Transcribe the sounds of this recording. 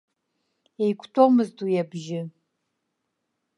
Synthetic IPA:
ejkʷʰtʰʼomɨztujɛbʒɪ

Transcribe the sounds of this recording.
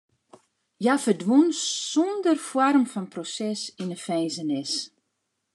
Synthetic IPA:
jafərdwunsondərfwɔrmfɔnprosɛsinəfɛjzənɪs

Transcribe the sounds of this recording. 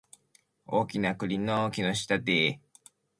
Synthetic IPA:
oːkʲinakɯ̟ɾʲinːookʲinoɕi̥t̪at̪e

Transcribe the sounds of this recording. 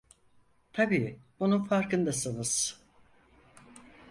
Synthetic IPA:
t̪ʰabiːb̥ununfaɾkɯnd̪asɯnɯz̥

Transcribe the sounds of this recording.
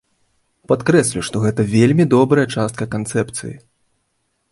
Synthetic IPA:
pat̪kɾɛsʲlʲuʂt̪ɔɣɛt̪ɐvʲelʲmʲid̪ɔbɾɐjɐt͡ʂast̪kɐkant̪sɛpt̪sɨ̰jḭ

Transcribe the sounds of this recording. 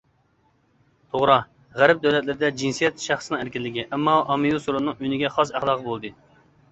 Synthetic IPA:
t̪ʰoʁɾɑ | ʁæɾɛp̚d̪ɛwlɛt̪lɪɾɪd̪ɛd͡ʒinsijɛt̪ʃæχsɨnɨ̃ŋæɾkʲilːɪɡʲiʔɛmːɑʔɑmijusuɾunːɨŋynɪɡʲɛχɑs̬æχd̪ɑːqʰəbolˠd̪ɨ

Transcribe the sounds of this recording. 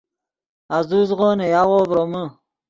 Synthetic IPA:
azuzʁoːnejaʁoːbɾomə

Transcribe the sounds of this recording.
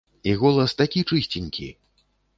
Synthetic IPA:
iɣɔlˠɐst̪akʲit͡ʂɨsʲt͡sʲinʲkʲḭ

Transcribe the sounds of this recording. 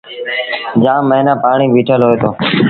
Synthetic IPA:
d͡ʒãːmːəɦɪnaːpaːɳiːʋiːʈʰəlɦoːeːt̪ʰoː

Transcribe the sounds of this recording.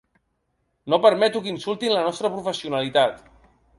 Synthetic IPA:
nopəɾmɛt̪ukinsulˠt̪inlənɔst̪ɾəpɾufəsiunalit̪at̪

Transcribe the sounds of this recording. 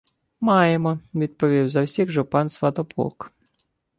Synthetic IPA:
mɑjemɔʋʲid̪̚pɔʋʲiwzɐwsʲiɣʒʊpɑnsʋɐt̪ɔpɔ̰k

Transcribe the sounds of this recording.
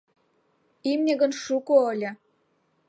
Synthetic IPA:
imnʲeɣə̆nʃukoəlʲɤ̆

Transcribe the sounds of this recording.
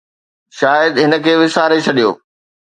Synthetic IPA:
ʃaːjəd̪ɦɪnə̆kʰeːʋɪsaːɾet͡ɕʰɐɗijo̰ː

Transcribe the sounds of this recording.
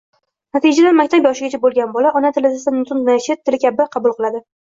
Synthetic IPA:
nat̪id͡ʒad̪anmakʲt̪ʰapjɒʃɪɡʲat͡ʃʰabolˠɡʲanbɒlaʔɒnat̪ʰɪlɪd̪ɪsamnt̪ʰʊnnaʃɪtt̪ʰːɪlɪkʲabɪqʰɑbʊlˠqɨlˠad̪ɪ

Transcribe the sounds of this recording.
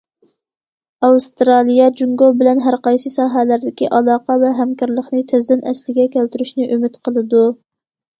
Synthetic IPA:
ɑwst̪ɾɑlˠijɑd͡ʒuŋɡobɪlɛnɦæɾqɑjsɨsɑːɦælæɾd̪ɪkʲiʔɑlˠɑːqɑvɛɦæmkɑɾlˠəχnɨt̪ʰɪzd̪ɪnɛslɪɡʲɛkʲʰælt̪yɾyʃnɪʔømɪt̪qʰəlˠɨd̪u

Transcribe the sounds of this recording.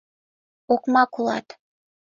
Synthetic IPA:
okmɑkulˠɑ̰t̪

